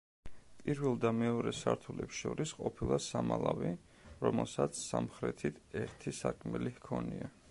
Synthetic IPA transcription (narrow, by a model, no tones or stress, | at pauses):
pʼiɾvɛlˠd̪amɛɔɾɛsaɾt̪ʰulɛpsʃɔɾisqʼɔpʰilˠasamalˠavi | ɾɔmɛlˠsat̪sʰsamχɾɛt̪ʰit̪ʰɛɾt̪ʰisakʼʰmɛlihkʰɔnia